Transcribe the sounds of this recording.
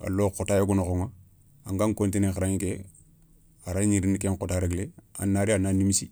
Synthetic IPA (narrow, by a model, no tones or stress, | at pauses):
a̰lːokotaːjoɡunoxoŋa | aŋɡaŋkontinexaɾaŋike | aɾaɲiɾinikeŋkotaɾeɡlea̰nːaɾiananimisi